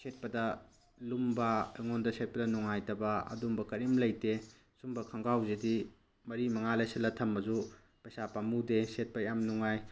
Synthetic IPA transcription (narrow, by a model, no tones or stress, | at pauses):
set̚pɐdɐ | lumbɐeŋondɐset̚pɐdɐnuŋajtɐbɐɐ̰dumbɐkɐɾimlɐjte | sumbɐkʰɐŋɡawzedi | mɐɾimɐŋalɐjsɐlɐtʰɐmbɐzu | pɐjsapamudeset̚pɐjamnuŋaj